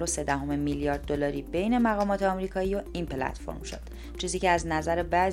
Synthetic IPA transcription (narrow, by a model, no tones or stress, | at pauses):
ɾose̞d̪æɦo̞memilijɒːɾd̪̚ːolɒːɾiːbe̞jne̞mæɣɒːmɒːt̪ʰeɒmɾiːkʰɒːiːoinpʰelæ̰t̪ʰfo̞̰ɾmʃo̰d̪̥ | t͡ʃʰiːziːceæznæzæɾe̞væz